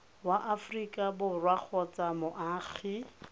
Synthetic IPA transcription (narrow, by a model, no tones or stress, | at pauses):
waʔafrikʼabʊrwak͡xʰɔt͡sʼamʊʔaːɣi